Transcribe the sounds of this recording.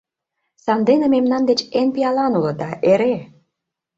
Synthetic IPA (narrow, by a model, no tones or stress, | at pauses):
sɑnd̪enĕmemnɑnd̪et͡ɕenpiɑlɑnulɤ̆d̪ɑʔeɾe